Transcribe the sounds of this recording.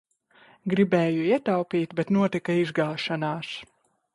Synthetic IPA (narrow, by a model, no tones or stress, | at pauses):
ɡɾibeːjuiɛt̪awpiːt̪bɛt̪nuɔt̪ikɐizɡaːʃanaːs